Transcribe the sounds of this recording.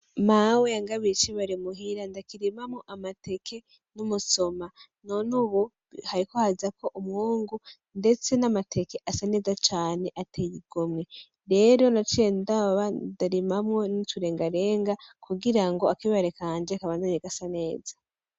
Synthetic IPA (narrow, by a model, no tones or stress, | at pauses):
maweaŋɡaβit͡ʃiβaɾimuɦiɾandakiɾimamŋoʔamate̞kʰe̞ | numuso̞ma | nonuβu | haɾikohazakʰo̞ʔumhuːŋɡu | nde̞t͡se̞namatʰe̞ke̞ʔasane̞ːzat͡ʃaːne̞ʔatʰejiɡ̥omŋe̞ | ɾe̞ɾo̞nat͡ʃiendaβadaɾimamŋo̞nituɾe̞ːŋɡaɾe̞ːŋɡakuɡiɾaŋɡo̞akiβaɾekaːnd͡ʒekaβaːndaɲeɡasane̞ːzḁ